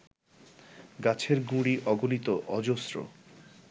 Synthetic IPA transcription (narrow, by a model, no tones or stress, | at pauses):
ɡat͡ɕʰeɾɡũɽiʔɔɡonit̪oʔɔd͡ʑosɾo̰